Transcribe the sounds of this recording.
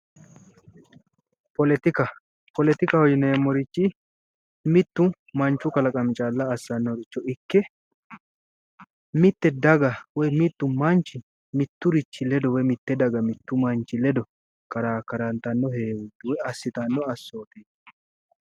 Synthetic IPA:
pɔlɛt̪ɪkɐ | pɔlɛt̪ɪkɐhɔjɪneːmːɔɾɪt͡ʃːɪ | mɪt̪ːʊ | mɐnt͡ʃːʊkɐlɐkʼɐmɪt͡ʃʼaːlːɐːsːɐnːɔɾɪt͡ʃːɔɪkːɛ | mɪt̪ːɛd̪ɐɡɐwɔjmɪt̪ːʊmɐnt͡ʃːɪ | mɪt̪ːʊɾɪt͡ʃːɪlɛd̪ɔwɛmɪt̪ːɛd̪ɐɡɐmɪt̪ːʊmɐnt͡ʃːɪlɛd̪ɔ | kɐɾaːkɐɾɐnt̪ɐnːɔheːwʊd̪ʊwɛɐsːɪt̪ɐnːɔɐsːoːt̪eː

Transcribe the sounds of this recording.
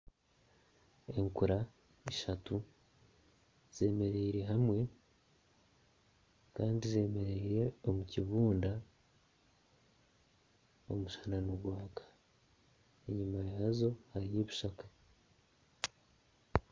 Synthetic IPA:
e̞ŋkuɾa | iʃatu | z̥e̞ːme̞ɾeiɾe̞ɦamwe̞ | kaːndize̞ːme̞ɾeiɾe̞omuciβuːnda | o̞̰muʃḁnanuɡwaːkḁ | eɲumajaːzo̞haɾijeβuʃakḁ

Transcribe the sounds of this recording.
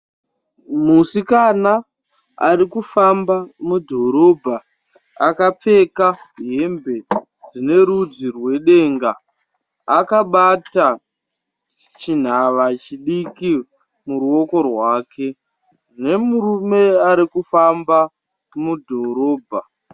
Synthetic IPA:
musikana | aɾikufambamudʱo̞ɾo̞bʱa | akap͡fe̞kaɦembe̞ | d͡zine̞ɾud͡zirwe̞ɗe̞ːŋɡa | akaɓata | t͡ʃin̤aʋat͡ʃiɗiki | muɾuo̞ko̞rwaːkʰe̞ | ne̞muɾume̞aɾikufamba | mudʱo̞ɾo̞ːbʱa

